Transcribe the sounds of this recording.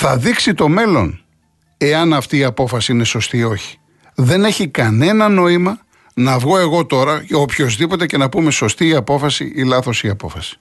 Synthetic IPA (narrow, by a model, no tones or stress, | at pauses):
θɐðiksit̪o̞me̞lo̞̰n | e̞ɐnɐft̪iːɐpo̞fɐsiine̞so̞st̪io̞çi̥ | ðe̞ne̞çikɐne̞nɐno̞imɐ | nɐvɣo̞e̞ɣo̞t̪o̞ɾɐopço̞zðipo̞t̪e̞ce̞nɐpume̞so̞st̪iːɐpo̞fɐsḭʔilɐθo̞siɐpo̞fɐsi̥